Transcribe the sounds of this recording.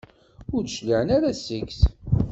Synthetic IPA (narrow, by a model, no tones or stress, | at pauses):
ʊɾðʃliʕənaɾæsəkθ